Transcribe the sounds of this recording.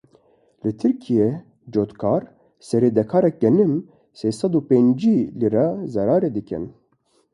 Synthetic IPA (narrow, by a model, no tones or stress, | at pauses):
lɨt̪ʰɨɾkʰije | d͡ʒoːt̪kʰɑːɾ | sɛɾeːd̪ɛkʰɑːɾɛk̚ɡɛnɨm | seːsɑd̪upeːnd͡ʒiliɾɑzɛɾɑːɾeːd̪ɨkʰɛ̰n